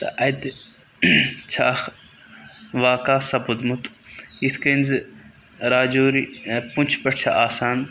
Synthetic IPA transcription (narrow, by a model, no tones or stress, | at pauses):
t̪ɐ̰ʔɐjd̪ | t͡ʃʰaːx | ʋaːkaːsɐbʊd̪mʊt̪it̪ʰkenz | ɾaːd͡ʒoːɾipʊnʲt͡ʃʰpɐʈt͡ʃʰa̰ʔaːsaːn